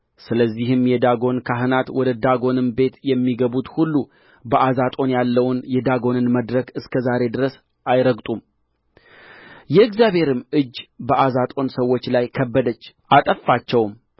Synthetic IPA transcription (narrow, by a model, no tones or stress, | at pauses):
sɨləzːihɨmjɛd̪aɡo̞nkʰaɦɨnat̪wɔd̪əd̪aɡo̞nɨnbe̞t̪jɛmːiɡəβut̪hulːu | bəʔazat̪ʼo̞njalːəwnjɛd̪aɡo̞nɨnməd̪ɾəkɨskʰəzaɾe̞d̪ɨɾəs | ʔajɾəɡt̪ʼum | jɛɨɡzjabhe̞ɾɨmʔɨd͡ʒːbəʔazat̪ʼo̞nsəwːo̞t͡ʃːlajkʰəbːəd̪ət͡ʃː | ʔat̪ʼəfːat͡ʃːɛwm